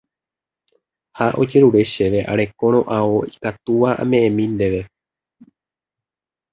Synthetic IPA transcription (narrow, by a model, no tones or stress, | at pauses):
haʔo̞̰d͡ʒe̞ɾuɾe̞ʃe̞ʋe̞ʔa̰ɾe̞kõ̞ɾ̃õ̞ʔãoikat̪uʋaʔã̰mẽ̞ʔẽmĩnd̪e̞ʋe̞